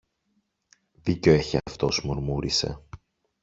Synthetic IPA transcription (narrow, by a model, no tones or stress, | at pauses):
ðiceoeçeɐft̪o̞smuɾmuɾise̞̰